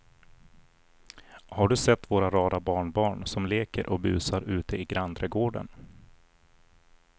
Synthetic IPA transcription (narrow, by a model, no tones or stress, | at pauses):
haɖɵsɛt̪ːvoːɾaɾɑːd̪abɑːɳbɑːɳsɔmleːkə̰ɾʔɔk̚bʉ̟̰ːsaɾʔʉ̟ːt̪ʰəɪɡɾand̪ɾəɡoːɖə̰n